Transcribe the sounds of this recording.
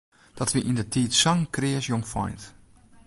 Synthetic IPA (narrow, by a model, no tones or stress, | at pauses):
d̥ɔtʋiʔindətʰiːtsɔŋkrɪːəsjoŋfɔ̰jnt